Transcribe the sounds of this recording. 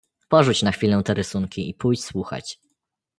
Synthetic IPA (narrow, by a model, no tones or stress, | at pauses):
pɔʐut͡ɕnaxfʲilɛw̃t̪ɛɾɘsuŋkʲiipujt͡ɕswuxa̰t͡ɕ